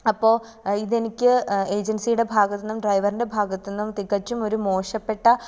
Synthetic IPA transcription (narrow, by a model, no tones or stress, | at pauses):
ɐpːo̞ː | iðe̞nikʲːɨe̞ːd͡ʑɐnsijuɽe̞bʱaːɣɐt̪ːenːumɖrɐjʋɐrinde̞bʱaːɡɐt̪ːenːumt̪iɣɐt͡ɕːumo̞ɾumo̞ːʂɐpːe̞ʈːɐ